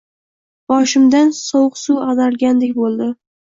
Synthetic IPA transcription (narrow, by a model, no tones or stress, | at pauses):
b̥ɒʃɪmd̪ansɒwqsuazaɾɡʲand̪ek̚ʲbolˠd̪ɪ